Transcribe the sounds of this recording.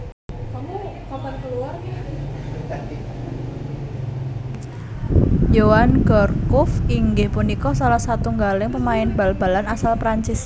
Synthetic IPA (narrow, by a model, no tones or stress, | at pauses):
kapankəluar | jowanɡ̥ɔrkʊfiŋɡɪhpunikɔsalahsat̪uŋɡalɪŋpəmaɪnba̤lb̥a̤lanasalpɾaɲt͡ʃɪs